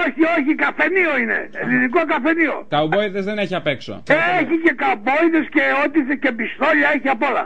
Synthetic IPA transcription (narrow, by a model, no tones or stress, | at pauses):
oçio̞çikɐfe̞nioine̞̰liniko̞kɐfe̞nio̞̰kauboiðezðeneçiɐpekso̰eçice̞kabo̞iðesceot̪iθece̞bist̪o̞ʎɐeçiɐpo̞lɐ̰